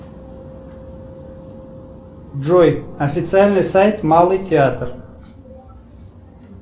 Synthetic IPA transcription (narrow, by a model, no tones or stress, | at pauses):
ʐojɐfʲɪt̪sɨalʲnɨjsajt̪malˠɨjtʲɪat̪r